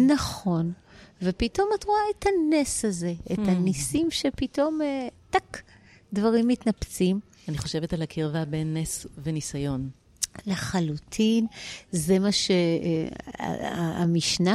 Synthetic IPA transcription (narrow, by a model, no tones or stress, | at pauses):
naχo̞nvepito̞matʁuaethaneshaze̞et̪hanisimʃepito̞metak | dvaʁimːitnapt͡sim | aniχo̞ʃe̞vetalhakʰiʁvabenːesvenisajo̞n | laχalutʰinze̞maʃḛ | aa̰miʃna